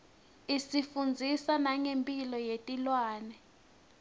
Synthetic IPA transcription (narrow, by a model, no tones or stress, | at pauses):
isifund͡zʱisanaŋempʼilɔjetʼilwaːnɛ